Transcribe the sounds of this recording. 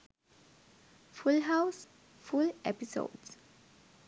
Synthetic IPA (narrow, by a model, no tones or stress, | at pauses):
fulɦaʊs | fulʔɛpiso̰ʊds